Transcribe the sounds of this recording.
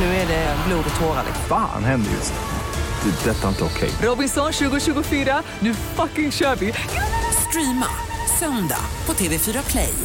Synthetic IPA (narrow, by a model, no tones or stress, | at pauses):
nʉ̟ːɛɖɛbluːd̪ɔt̪ʰoːɾalɪ̰fa̰ːnhɛnd̪ə̰jɵ̰s | d̪̥ɛdɛt̪ːaɪnt̪əɔkʰɛ̰jɾɔbɪnsɔnɕʉ̟ːɡʊɕʉ̟ːɡʊfyːɾa | nʉ̟ːfakːɪŋɕœːvɪst̪ɾiːma̰ | sœnd̪a̰pʰɔt̪ʰeːvefyːɾakʰlɛ̰j